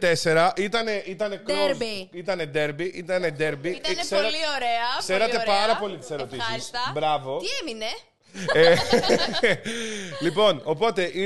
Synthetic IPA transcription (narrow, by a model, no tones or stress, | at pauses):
t̪e̞se̞ɾɐʔit̪ɐne̞ʔit̪ɐne̞koɾit̪ɐne̞d̪e̞ɾbiʔit̪ɐne̞d̪e̞ɾbieseɾɐioɾeɐkseɾɐt̪e̞pɐɾɐpo̞lit̪i̥se̞ɾo̞t̪isisbɾɐvo̞iemine | e | lipo̞no̞po̞t̪e̞ʔi